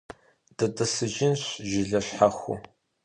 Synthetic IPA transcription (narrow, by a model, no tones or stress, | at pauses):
d̥ɐdɐsɨʒɪnɕʒɪɮɐɕħaxʷṵ